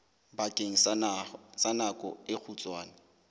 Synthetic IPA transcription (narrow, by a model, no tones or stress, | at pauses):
bakʼeŋ̩ | sanakʼɔɪk͡xʰut͡sʼwaːnɪ